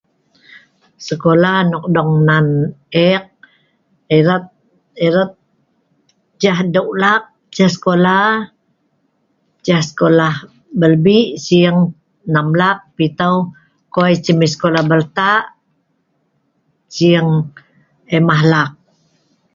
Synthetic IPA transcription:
səkolahnɔk̚dɔŋnanɛk̚ | eɾat̪̚ | eɾət̪̚ | t͡ʃahdəwlak̚ | t͡ʃahsə̥kola | t͡ʃahsə̥kolah | bəlbiʔsiəŋ | namlak̚pit̪əw | kojt͡ʃəmisə̥kolahbərt̪aʔ | siəŋ | emaɦlak̚

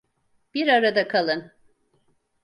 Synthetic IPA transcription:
b̥iɾaɾad̪akʰalˠɯn

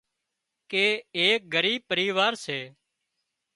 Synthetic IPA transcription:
keːeːk̚ɡəɾiːb̚pəɾiːʋaːɾseː

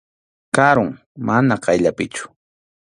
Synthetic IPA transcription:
kaɾʊŋ | manaqɑjʎapɪt͡ʃʊ̥

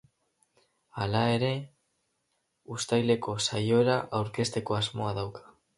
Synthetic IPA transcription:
alae̞ɾe̞ | ust̪ajle̞ko̞sajo̞eɾaʔawɾke̞st̪e̞ko̞azmo̞aðawkḁ

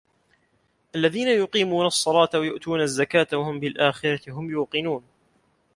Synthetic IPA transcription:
ʔalːaðiːnajʊqiːmuːnɑsˤːɑlɑːt̪awajʊʔt̪uːnazːakaːt̪wahʊmbɪlʔaːxɪɾˤɑt̪ɪɦʊmjuːqɨnuːn

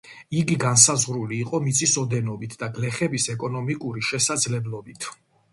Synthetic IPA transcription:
iɡiɡansazʁɾuliːqʼɔmit̪sʼisɔd̪ɛnɔbit̪ʰd̪aɡlɛχɛbisɛkʼɔnɔmikʼuɾiʃɛsad̪zlɛblˠɔbit̪ʰ

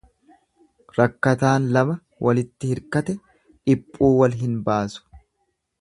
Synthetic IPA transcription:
ɾɐkːɐt̪aːnlɐmɐ | wʔɐlɪt̪ːɪhɪɾkɐt̪ɛ | ᶑɪpʼːuːwɐlɦɪnbaːsʊ̥

